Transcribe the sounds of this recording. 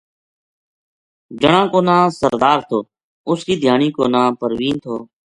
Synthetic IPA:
d͡ʒəɳãːkoːnãːsəɾd̪aːɾt̪ʰoː | ʊskiːd̪ʱɪjaːniːkoːnãːpəɾʋiːnt̪ʰo̰ː

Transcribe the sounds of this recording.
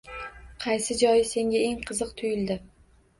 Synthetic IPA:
qʰɑjsɪd͡ʒɒjɪse̞ŋɡʲae̞ŋqʰɨzɨqt̪ʰʊjɪld̪ɪ

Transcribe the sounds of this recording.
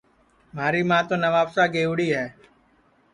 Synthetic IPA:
m̤aːɾiːmãːt̪õːnəʋaːpsaːɡeːʊːɽiːɦɛː

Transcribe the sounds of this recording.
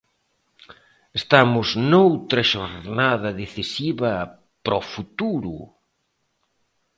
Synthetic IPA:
est̪amʊznowt̪ɾɐʃoɾnaðɐðeθisiβɐ | pɾɔfut̪uɾu

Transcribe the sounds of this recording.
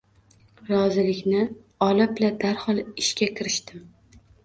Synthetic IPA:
ɾɒzɪlɪkʲnɪ | ɒlˠɪblad̪aɾhɒlˠɪʃkʲakʲʰɪɾɪʃt̪ɪm

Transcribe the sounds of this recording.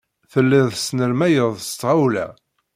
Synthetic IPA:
θəlːɪðˤsnəɾmæjəðˤst̪ːʁawlæ̰

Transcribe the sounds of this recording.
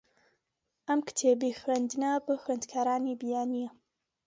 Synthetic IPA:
ʔɐmkɨ̥t̪ʰeːbijxɾend̪ɨnɐbɨxwend̪kʰaːɾaːnibijaːnijɐ

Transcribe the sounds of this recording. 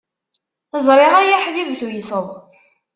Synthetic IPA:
əzˤɾˤeʁæjaħðivswjsəðˤ

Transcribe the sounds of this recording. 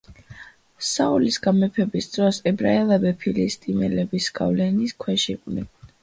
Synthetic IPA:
saulisɡamɛpʰɛbisd̪ɾɔsɛbɾaɛlˠabɛpʰilist̪ʼimɛ̰lɛbisɡ̥a̰vlɛniskʰwɛʃiqʼvnɛ̰n

